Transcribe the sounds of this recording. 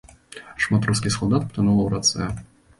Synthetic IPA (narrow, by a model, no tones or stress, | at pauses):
ʂmat̪ɾus̬kʲisɔlˠd̪at̪pt̪ɨnulˠɐwɾat̪sɛ̰